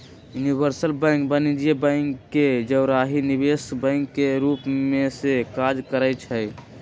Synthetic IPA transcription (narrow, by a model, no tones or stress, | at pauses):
junibəɾsəlbɛ̃ŋk̚bənid͡ʒiebə̃ŋkːed͡ʒəʊɾaɦinibesbə̃ŋkːeɾupmesekad͡ʒkəɾət͡ʃʰɛj